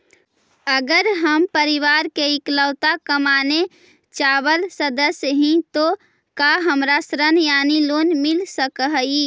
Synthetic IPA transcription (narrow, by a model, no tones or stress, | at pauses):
əɡəɾɦəmpəɾɪʋaːɾkeɪkləːt̪akəmaːne | t͡ʃaːʋəlsəd̪əsjɦĩt̪o | kaɦəmɾasɾənjaːniloːnmɪlsəkɦəi